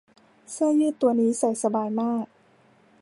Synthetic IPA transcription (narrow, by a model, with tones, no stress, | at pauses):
sɯ˥˩ɐjɯː˥˩t̪ːu˧ɐniː˦˥sa˨˩jsa˧baː˧jmaː˥˩k̚